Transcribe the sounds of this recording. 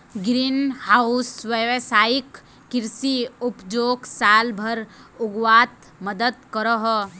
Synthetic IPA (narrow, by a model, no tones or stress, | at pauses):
ɡɾiːnhaʊsʋəʋsaːjɪkː | ɪɾsiʊpd͡ʒoːɡsaːlbʱəɾʊɡwaːt̪ | məd̪əd̪kəɾəɦ